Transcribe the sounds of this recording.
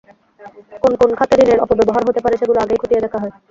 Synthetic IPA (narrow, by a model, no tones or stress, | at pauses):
konkonkʰat̪ed̪ineɾɔ̰pobɛboɦaɾɦot̪epaɾeʃeɡuloaɡejkʰot̪ijed̪ɛkʰaɦɔe